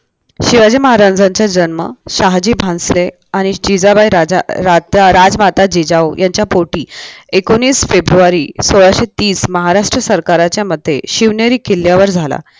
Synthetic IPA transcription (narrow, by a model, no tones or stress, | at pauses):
ɕiʋad͡ʑiːməɦaɾand͡zaɲt͡ɕjad͡ʑənmə̰ɕaɦd͡ʑiːbʱãnsle | aɽ̃id͡ʑid͡zabajɾaɾad͡zmat̪ad͡ʑid͡ʑawjʔaɲt͡ɕjapoʈiːekoniːsfebɾuaɾiːsoɭaɕet̪iːsməɦaɾaʂʈɾəsəɾkaɾat͡ɕjaməd̪ʱːḛɕiʋnjeɾiːkilːjaʋəɾd͡zʱala̰